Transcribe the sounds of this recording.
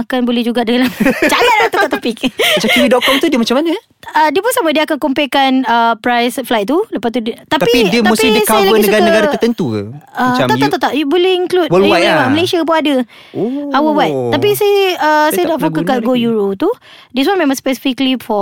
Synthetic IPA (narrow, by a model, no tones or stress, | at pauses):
akanbolɛhd͡ʒuɡadaɡalamd͡ʒalat̪̚lat̪aat̪ɔpik̚mat͡ʃakuwidɔʔ̚kɔmt̪udiəmat͡ʃamana | ədiəpunsamə̃diəakankompekanəpɾajsflajt̪̚t̪uləpat̪t̪udt̪at̪apiidiəmausiidiskawlaəɡinəsuɡaɾkəɡaɾaət̪ənt̪ukaaat̪at̪aʔt̪aʔjbolɛhiŋklut̪̚əwaawaməlesiap̬unadə | oawəwat̪̚t̪ːapisajəəsajədaʔfokəkaʔɡojuɾot̪u | dis̬wanmẽmãŋspɛsi̥fiklifɔ